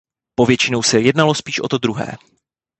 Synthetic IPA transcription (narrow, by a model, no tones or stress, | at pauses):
po̞vjɛt͡ʃɪnowsɛjɛdnalo̞spiːʃʔot̪o̞d̪ɾuɦɛ̰ː